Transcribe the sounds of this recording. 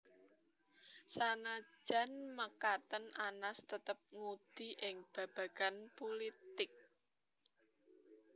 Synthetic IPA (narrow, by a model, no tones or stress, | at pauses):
sanḁʒ̥a̤nməkat̪ənanast̪ət̪əp̚ŋud̪̥iʔɪŋb̥ä̤b̥ä̤ɡ̥anpolit̪ɪk̚